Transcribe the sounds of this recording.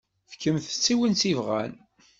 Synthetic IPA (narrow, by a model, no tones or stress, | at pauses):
fkəmθə̥t͡sːiwənsivʁæ̰n